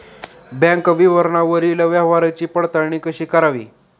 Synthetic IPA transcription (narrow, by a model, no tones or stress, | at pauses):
bãŋkʋiʋəɾɳaʋəɾiləʋjaɦʋaɾat͡ɕiːpəɽt̪əɳ̃ikəɕiːkəɾaʋḭː